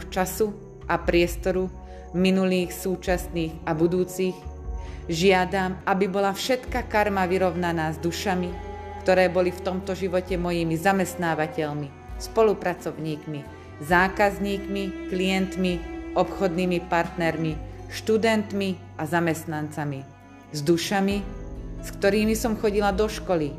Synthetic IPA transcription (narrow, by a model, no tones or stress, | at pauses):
t͡ʃasu | ʔapɾɪɛst̪ɔɾu | minuliːxsuːt͡ʃasniːɣabud̪uːt͡six | ʒɪad̪amabibɔlafʃɛt̪kakaɾmaʋiɾɔʊnanaːzd̪uʃami | kt̪ɔɾɛːbɔlift̪ɔmt̪ɔʒiʋɔcɛmɔjimizamɛst̪naːʋacɛʎmi | spɔlupɾat͡sɔʊɲiːkmi | zaːkazɲiːkmiklijɛnt̪miɔpxɔd̪niːmipaɾt̪nɛɾmiʃt̪ud̪ɛnt̪mi | azamɛst̪nant͡sami | zd̪uʃamiskt̪ɔɾiːmisɔmxɔɟilad̪ɔʃkɔli